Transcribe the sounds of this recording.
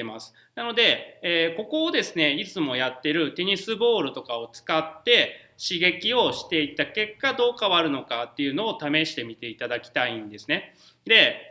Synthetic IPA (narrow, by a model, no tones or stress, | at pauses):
emasɨ̥ | nano̞d̪e̞ːko̞ko̞ːd̪e̞sɨne̞it͡sɨmo̞jat̪ːe̞ɾɯ̟t̪e̞ɲ̟isɨbo̞ːɾɯ̟t̪o̞kao̞t͡sɨ̥kat̪ːe̞ | ɕiɡe̞kʲio̞ɕi̥t̪e̞it̪ake̞kːad̪o̞ːkaβaɾɯ̟no̞kat̪ːe̞jɯ̟no̞ːt̪ame̞ɕi̥t̪e̞mʲit̪e̞it̪ad̪akʲi̥t̪aĩnd̪e̞sɨ̥ne̞ | d̪e̞